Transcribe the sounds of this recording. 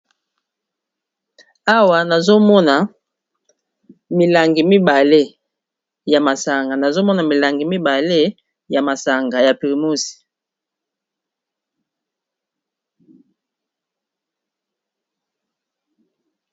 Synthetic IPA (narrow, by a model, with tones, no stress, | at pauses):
a˦wa˨na˨zo˦mɔ˦na˨ | mi˨la˨ŋɡi˨mi˦ba˨le˦ | ja˨ma˨sa˨ŋɡa˨na˨zo˦mɔ˦na˨mi˨la˨ŋɡi˨mi˦ba˨le˦ | ja˨ma˨sa˨ŋɡa˨ja˨pi˨ʁi˨mo˦si̥˨